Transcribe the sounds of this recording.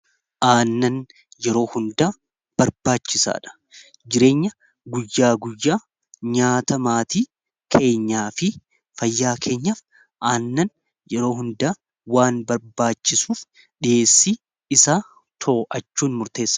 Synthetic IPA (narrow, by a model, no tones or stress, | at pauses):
ʔaːnːɐn | jɛɾo̞ːhʊnd̪aː | b̥ɐɾbaːt͡ʃːɪsa̰ːᶑɐ̥ | d͡ʒɪɾe̞ːɲːɐ | ɡʊjːaːɡʊjːaː | ɲaːt̪ɐmaːt̪iː | kʰe̞ːɲːaːfɪ | fɐjːaːkʰe̞ːɲːɐf | ʔaːnːɐn | jɛɾo̞ːɦʊnd̪aː | waːnbɐɾbaːt͡ʃːɪsuːf | ᶑɪeːsːiː | ɪsaː | t̪ʰo̞ːʔɐt͡ʃːuːnmʊɾt̪e̞ːsːɐ̥